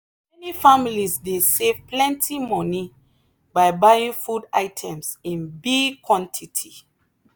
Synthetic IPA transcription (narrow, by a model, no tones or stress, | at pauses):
mɛnifamilisdesevplɛ̃ntʰimɔni | bajbajĩŋfuda̰ɪtʰɛ̃msĩnbiɡkʰwɔ̃ntʰitʰi